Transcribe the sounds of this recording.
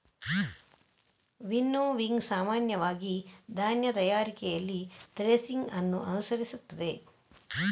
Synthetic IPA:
ʋinːoʋiŋɡsaːmaːnjɐʋaːɡid̪ʱaːnjɐt̪ɐjaːɾikɛjɐlːit̪ɾeːsiŋɡɐnːuʔɐnusɐɾisut̪ːɐd̪e̞

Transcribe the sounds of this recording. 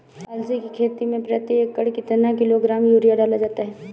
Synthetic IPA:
ɐlsikikʰeːt̪imẽpɾət̪iekːəɽkɪt̪nakɪloɡɾaːmjuːɾijaɖaːlad͡ʒaːt̪aɦɛː

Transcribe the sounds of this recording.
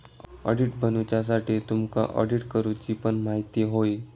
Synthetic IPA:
ə̰ɽiʈbənut͡ɕas̬aʈiːt̪umka̰ʔə̰ɽiʈkəɾut͡ɕiːpəɳmaɦit̪iɦoi

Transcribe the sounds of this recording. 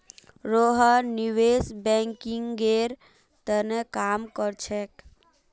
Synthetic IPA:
ɾoɦəniʋesbɛ̃ŋkiŋɡɡeɾ | t̪ənekaːmkəɾt͡ʃʰɛk

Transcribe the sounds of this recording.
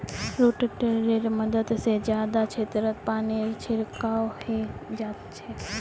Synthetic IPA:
ɾoʈəʈeɾeɾməd̪əd̪sed͡ʒjaːd̪at͡ʃʰet̪əɾət̪paːneɾt͡ʃʰɪɾkawhed͡ʒaːt̪t͡ʃʰe

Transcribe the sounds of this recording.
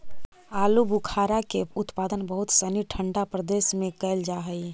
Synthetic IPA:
aːlubukʰaːɾakeʊt̪paːd̪ənbəɦʊt̪səniʈʰə̃ɳɖapɾəd̪eːsmẽkəːld͡ʒaːɦəi

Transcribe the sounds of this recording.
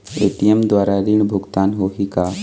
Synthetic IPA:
eːʈijɛmd̪waːɾaɾɪɳ̃bʱʊɡt̪aːnɦoːɦika

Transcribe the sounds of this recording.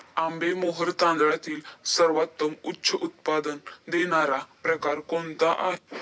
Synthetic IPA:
ambemoɦəɾt̪ãnd̪ɭat̪iːlsəɾʋat̪ːəmutːɕʰəut̪̚pad̪ənd̪eɽ̃aɾapɾəkaɾkont̪aʔa̰ɦe

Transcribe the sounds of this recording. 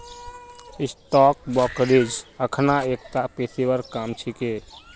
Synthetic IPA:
ɪsʈɔːk̚bɔːkɾid͡ʒəkʰnaeːk̚t̪apeːsewəɾkaːmt͡ʃʰikeː

